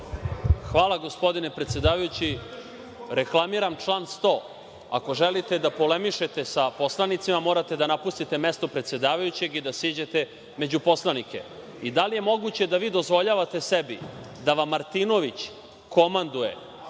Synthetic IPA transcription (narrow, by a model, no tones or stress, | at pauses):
xʋaːlˠaɡo̞spo̞d̪ine̞pɾe̞t̪se̞d̪aːʋajut͡ɕi | ɾeklˠamiɾamt͡ʃlˠaːnst̪o̞ː | a̰ko̞ʒelit̪e̞d̪apo̞lemiʃet̪e̞sapo̞slˠanit̪simamo̞ːɾat̪e̞d̪anapust̪it̪e̞me̞st̪o̞pɾet̪se̞d̪aːʋajut͡ɕe̞ɡid̪asiːd͡ʑet̪e̞ | me̞d͡ʑupo̞slˠanike̞̰ | id̪alije̞mo̞ɡut͡ɕe̞d̪aʋiːd̪ozʋo̞ʎaːʋat̪e̞sebi | d̪aʋamːaɾt̪ino̞ʋit͡ɕ | ko̞mand̪uje̞̰